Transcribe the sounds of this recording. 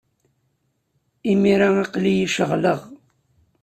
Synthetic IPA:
imiɾaiqlijiʃəʁləʁ

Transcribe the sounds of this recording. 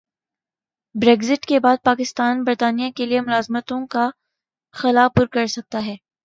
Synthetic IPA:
bɾeːɡzɪʈkebaːd̪̚paːkɪst̪aːnbɐɾt̪aːnijakeliemʊlaːzmət̪õka | xɐlapʊɾkɐɾsɐk̚t̪aɦɛː

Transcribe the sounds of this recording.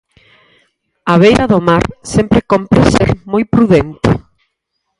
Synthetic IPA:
aβejɾʔaðomaɾsempɾekompɾesḛɾmojpɾuðent̪ɪ̰

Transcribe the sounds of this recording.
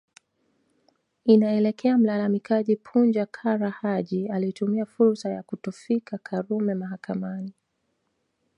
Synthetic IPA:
inaɛlɛkʰɛam̩lalamikʰaʄipʰund͡ʒakʰaɾahaʄialitumiafuɾsajakutufikʰakʰaɾumɛmaɦakamani

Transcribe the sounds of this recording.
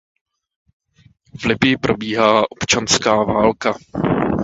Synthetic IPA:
vlɪbɪjɪpɾo̞biːɦaːʔo̞pt͡ʃanskaːvaːlka

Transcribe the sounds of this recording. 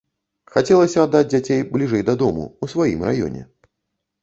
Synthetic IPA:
xat͡sʲɛlˠɐsʲɐad̪ːad͡zʲd͡zʲat͡sʲejblʲiʐɛjd̪ɐd̪ɔmṵusvajḭmra̰jɔ̰nʲɛ̰

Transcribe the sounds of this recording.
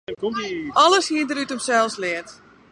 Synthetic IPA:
kɔmʔɔləshiədəɾytəmsɛlˠfslɪət

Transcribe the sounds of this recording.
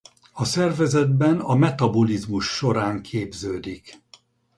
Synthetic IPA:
ɒsɛrvɛzɛd̪̚bɛnɒmɛt̪ɒbolizmuʃːo̞ɾaːŋkʰeːbzøːd̪ik

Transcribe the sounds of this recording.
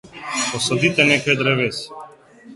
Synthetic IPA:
pɔsɔd̪it̪ɛnɛkojd̪ɾɛvɛsi̥

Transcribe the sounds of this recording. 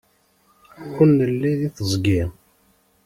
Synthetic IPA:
kʷːənːəlːiðiθəzˤɡi

